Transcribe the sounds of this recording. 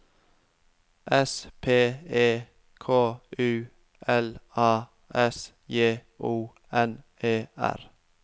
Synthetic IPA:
ʔɛspʰeːeː | kʰoːʉː | ʔɛlɑː | ʔɛs | jeː | ʔuː | ɛn | eːæ̰ɾ

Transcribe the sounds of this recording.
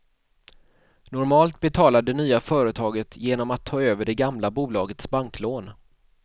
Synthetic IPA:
nʊɾmɑːlt̪̚bɛt̪ʰɑːlad̪ɛnyːafœːɾət̪ʰɑːɡət̪ʰjeːnɔmat̪ʰːɑːøːvəɖɛɡamlabuːlɑːɡət̪sbaŋkloːn

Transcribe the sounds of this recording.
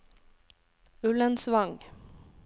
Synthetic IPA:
ɵlːənsʋaŋ

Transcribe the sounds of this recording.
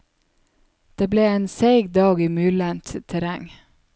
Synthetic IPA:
d̪̥eːbleːeːnseɪɡd̪ɑːɡiːmyːlənt̪t̪ʰəɾæŋ

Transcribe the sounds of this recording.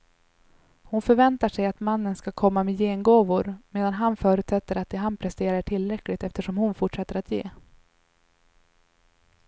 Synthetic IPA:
hʊnfœɾvɛnt̪aʂɛjat̪manːənskakʰɔmːamɛjeːnɡoːvʊɾmeːd̪anɦanfœːɾʉ̟t̪sɛt̪ːəɾat̪̚d̪ɛɦanpʰɾɛst̪eːɾaʈʰɪlːɾɛklɪɡ̚t̪ɛft̪əʂɔmhʊnfʊʈʂɛt̪ːəɾat̪jeː

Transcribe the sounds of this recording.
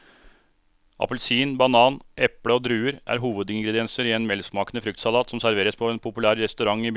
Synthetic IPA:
ʔɑ̰pəlsiːnbɑnɑːnʔɛpɽəɔd̪ɾʉːəɾʔæ̰ːɾɦuːʋəd̪ɪŋɡɾɛd̪ɪɛnsəɾieːnmɛlsmɑːkənəfɾʏk̚t̪sɑlɑːt̪sɔmsæɾʋeːɾəspʰɔɛnpʰʊpʉlæːɾɾɛst̪ʉɾɑŋːib

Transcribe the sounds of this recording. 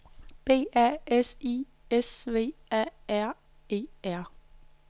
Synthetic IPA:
b̥e̝̰ːæ̰esi | esʋe̝̰ːæ̰æɐ̰ | e̝̰ːæɐ̰

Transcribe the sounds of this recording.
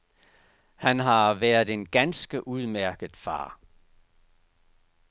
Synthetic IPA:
hænɦɑ̈ʋæɐð̩ˠe̝nɡ̥ænsɡ̥əʔuð̞ˠmæɐɡ̥əð̩ˠfɑ̰̈ː

